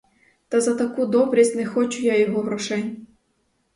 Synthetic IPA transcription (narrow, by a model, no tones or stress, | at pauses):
t̪ɐzɐt̪ɐkud̪ɔbɾʲisʲtʲnɛxɔt͡ʃʊjajɔɦɔɦɾɔʃɛnʲ